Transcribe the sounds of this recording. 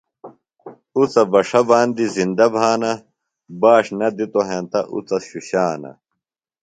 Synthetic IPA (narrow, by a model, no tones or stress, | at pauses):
ut͡sɐbɐʂɐbaːnd̪izind̪ɐbʱaːnɐ | baːʂnɐd̪it̪oɦeːnt̪ɐʔṵt͡sɐɕuɕaːnɐ̰